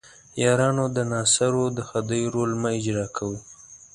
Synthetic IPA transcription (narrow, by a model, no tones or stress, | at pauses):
jɑɾɑnod̪ənɑsaɾod̪əxad̪əjɾolmaɪd͡ʒɾɑkʰawu